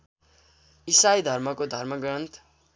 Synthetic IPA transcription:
isajd̪ʱʌrmʌkod̪ʱʌrmʌɡɾʌnt̪

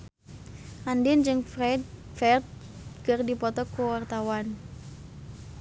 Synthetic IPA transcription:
ʔandɪnd͡ʒɨŋfrɛd | fɛrd̪̚kərdipɔt̪ɔkuwart̪awan

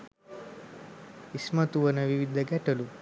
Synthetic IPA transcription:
ismɐt̪uʋɐnɐʋiʋid̪ʱɐɡɛʈɐlu

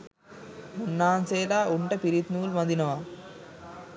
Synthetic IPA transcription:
munːaːnseːlaːuɳʈɐpiɾit̪nuːlmɐnd̪inɐʋa

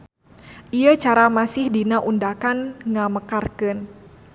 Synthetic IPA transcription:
ʔiat͡ʃaɾamasɪhdinaʔundakanŋaməkarkɨn

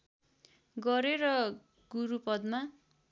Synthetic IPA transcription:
ɡʌɾeɾʌ | ɡ̥uɾupʌd̪ma

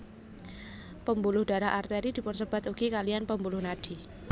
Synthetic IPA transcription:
pəmbulʊhd̥a̤ɾaɦʔart̪eɾid̪̥i̤pʊnsəb̥a̤t̪uɡ̥ikalianpəmbulʊhnad̥i

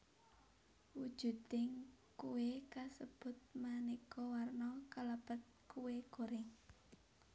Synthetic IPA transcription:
wud̥ʒ̥ṳt̪ɪŋ | kuwekasəb̥ʊ̤t̪̚manikɔwarnɔkalab̥ə̤t̪̚kuweɡ̥o̤ɾɪŋ

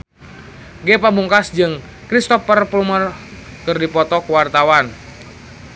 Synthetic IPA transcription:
ɡɛpabuŋkasd͡ʒɨŋ | kɾist̪ɔfərplumər | kɨrdipɔt̪ɔkwart̪awan

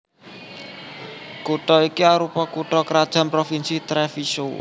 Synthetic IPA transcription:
kuʈɔikiaɾupɔkuʈɔkəɾad̥ʒ̥ä̤mpɾofinsit̪ɾɛfiso

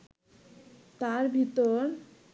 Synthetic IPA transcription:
t̪aɾbʱit̪oɾ

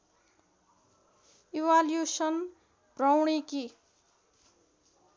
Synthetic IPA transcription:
iwaljusʌn | brʌwɳ̃iki

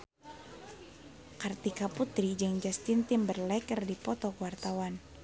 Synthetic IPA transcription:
kart̪ikaput̪ɾid͡ʒɨŋd͡ʒast̪int̪ɪmbərlɛkərdipɔt̪ɔkuwart̪awan

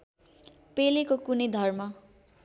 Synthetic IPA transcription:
pelekokunʌjd̪ʱʌrmʌ

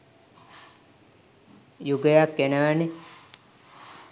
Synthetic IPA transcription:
juɡəjakːenəʋæne

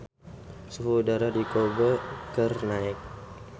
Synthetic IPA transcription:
suɦudaɾadikobakərnaɛk̚

